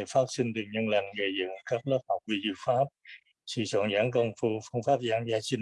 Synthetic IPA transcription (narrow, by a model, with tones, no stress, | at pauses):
faː˦˥t̚si˧ŋ̟t̪ɨ˨˩ŋɲə˧nla̰˧˨˩jŋ̟ɣə˧˩jzɨ̰˧˨ŋkaː˦˥k̚ləː˦˥p̚ha˨˩wk͡p̚ki˧˩zɨ̰˧˨faː˦˥p̚ | sɨ̰˧˨sɔ̰˧˨nzaː˧˦nkə˧wŋ͡mfu˧fɨ˧əŋfaː˦˥p̚zaː˧˦ŋzaː˧t͡ɕï˧ŋ